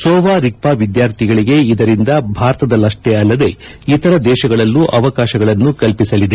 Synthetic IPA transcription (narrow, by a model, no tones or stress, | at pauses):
sɔːʋaːɾik̚paːʋid̪jaːɾt̪ʰiɡɐɭiɡe̞id̪ɐɾind̪ɐbʱaːɾɐt̪ɐd̪ɐlɐʂʈeɐlːɐd̪e̞ | it̪ɐɾɐd̪ɛːʃɐɡɐɭɐlːuʔɐʋɐkaːʃɐɡɐɭɐnːukɐlpisɐlid̪e